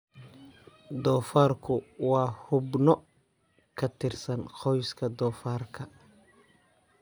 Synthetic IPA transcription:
d̪ɔːfaːrkʰʊwɑːhʊbnɔ | kʰɐt̪ʰɪrsɐnqʰɔjskʰɐd̪ɔːfaːrkʰɐ

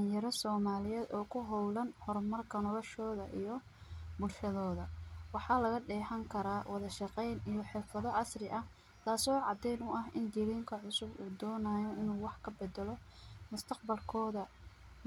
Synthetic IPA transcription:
ɐjɐɾɔsɔːmaːlɪjɛːd̪ɔːkʰʊɦɔwlɐnhɔrmɐrkʰɐnɔlɔʃɔːðɐʔijɔ | bʊlʃɐðɔːðɐwɑħɑːlɐɣɐɖɛːħɐŋkʰɐɾaːwɑðɐʃɑqɛjnijɔħɪrfɐðɔʕɑsrɪʔɐh | t̪ʰaːsɔːʕɑd̪ɛjnʊʔɐɦɪnd̪iliːŋkʰɐʕʊsʊbuːd̪ɔːnaːjɔɪnuːwɑħkʰɐbɛd̪ɛlɔmʊst̪ʰɐqbɐlkʰɔːðɐ

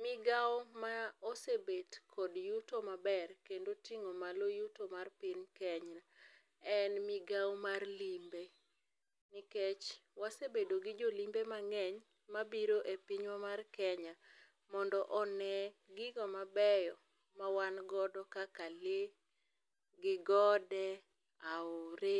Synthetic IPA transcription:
mɪɡawmaosebetkʰɔdjutomabɛrkendotiŋomalojutomarpinkɛɲa | ɛnmiɡawmarlimbe | niket͡ʃwasebedoɡid͡ʒolimbemaŋɛɲ | mabiɾoʔepiɲwamarkɛɲa | mɔndɔʔɔnɛɡɪɡɔmabɛjɔ | mawanɡɔdɔkakale | ɡɪɡɔdɛ | aʊɾe

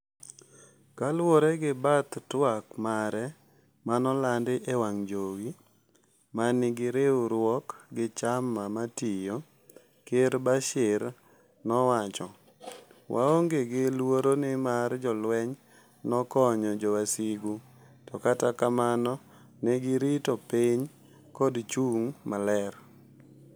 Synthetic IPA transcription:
kalwoɾɛɡɪbat̪twakmaɾɛ | manɔlandɪʔewaŋd͡ʒoɡi | manɪɡɪɾeuɾwɔkɡɪt͡ʃamːamatijo | keɾbaʃɪɾ | nɔwat͡ʃɔ | wʔa̰oŋɡeɡɪlwoɾonɪmard͡ʒɔlwɛɲ | nɔkɔɲɔd͡ʒɔwasiɡu | tɔkatakamanɔ | neɡɪɾitɔpiɲ | kɔdt͡ʃuŋmalɛr

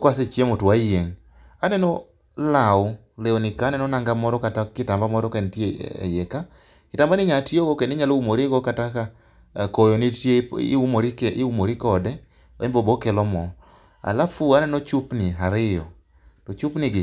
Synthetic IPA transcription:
kwaset͡ʃjemotwajeŋ | anɛnɔ | laʊ | leonɪkaːnɛnɔnaŋɡamɔɾɔkatakɪtambamɔɾɔkentjḛḛjɛka | kɪtambanɪɲatjoɡokenɪɲaloumoɾiɡokataka | kojonitjeumoɾikːumoɾikɔdɛ | ɛmbobokɛlɔmɔ | a̰lafuanɛnɔt͡ʃupnɪɦaɾɪjɔ̰ | tɔt͡ʃupnɪɡɪ

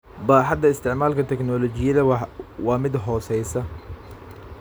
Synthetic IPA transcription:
baħɐd̪ɐɪst̪ʰɪʕmaːlkʰɐt̪ʰɛknɔlɔt͡ʃɪjɐðɐwɑːmɪd̪ɦɔːsɛjsɐ

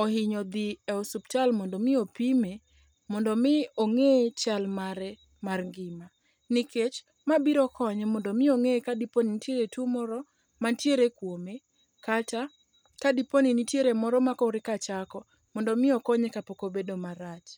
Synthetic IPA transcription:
ɔhɪɲɔd̪iɛɔsupt͡ʃalmɔndɔmɪopime | mɔndɔmɪoŋet͡ʃalmaɾɛ | marŋɡɪma | nɪket͡ʃ | mabiɾɔkɔɲɛmɔndɔmɪoŋekadiponinitjeɾetumɔɾɔ | mantjeɾekwome | kata | kadiponinitjeɾemɔɾɔmakɔɾɪkat͡ʃakɔ | mɔndɔmɪɔkɔɲɛkapokobedomaɾat͡ʃ

